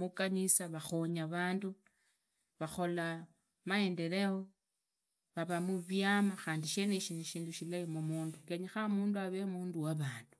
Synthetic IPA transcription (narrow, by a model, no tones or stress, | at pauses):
mukanisaβaxoɲaβaːndu | βaxo̞la | mae̞nde̞ɾeo | βaβamuβjamaxaːndiʃeneʃiniʃiːnduʃilaimumuːndukeɲixamuːnduaβemuːnduwaβaːndu̥